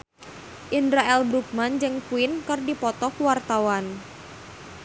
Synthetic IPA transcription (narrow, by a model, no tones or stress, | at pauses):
ʔindɾaɛlbɾuk̚mand͡ʒɨŋkuɪnkɨrdipɔt̪ɔkwart̪awan